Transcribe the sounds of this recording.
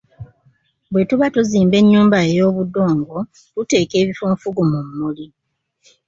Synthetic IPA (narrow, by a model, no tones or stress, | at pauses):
bwe̞tuβatuziːmbe̞ɲːuːmbaejo̞ːβudo̞ːŋɡo̞ | tute̞ːke̞ːβifoːɱfuɡumumːuli